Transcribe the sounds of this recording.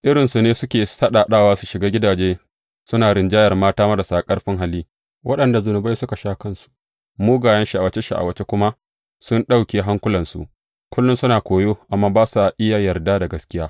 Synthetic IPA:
ʔɪ˦ɾɪ˨nsu˨neː˦sʊ˦kʲeː˨sɐ˦ɗa˨ɗaː˦˨waː˦su̥˨ʃɪ˨ɡaː˦ɡʲɪ˦daː˨d͡ʒeː˦ | sʊ˦naː˨ɾɪ˨nd͡ʒaː˦jɐ˨rmaː˦taː˦ma˦da˨saː˨kʼɐ˦rɸɪ˦ŋɦa˦lːiː˦ | wʔɐ˦ɗɐ˨nda˨zʊ˨nʊ˨ba˦jsʊ˦ka˨ʃaː˦kɐ˦˨nsu̥˨ | muː˦ɡaː˨jɐ˦nʃi˨a˨wɐ˨t͡ʃe˦ʃa̰˨ʔa̰˨wɐ˨t͡ʃe˦kʷʊ˦ma˦ʔ | sʊ˦nɗa˦˨wkʲeː˨ɦa˦ŋkʷʊ˦lɐ˨nsṵ˨ʔ | kʷʊ˦lːʊ˦nsʊ˦naː˨kʷoː˨joː˦ʔa˨mːaː˦baː˦sa˨ʔɪ˦jaː˨jɐ˨rdaː˦da˨ɡɐ˦skʲɪ˦jaː˦

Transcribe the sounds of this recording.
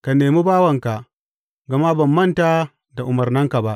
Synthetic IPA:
ka˨neː˨mi˦baː˦wɐ˨ŋka˨ | ɡɐ˨ma˦bɐ˨mːɐ˦ntaː˦ | da˨ʔʊ˨mɐ˨rnɐ˦ŋka˨ba˦ʔ

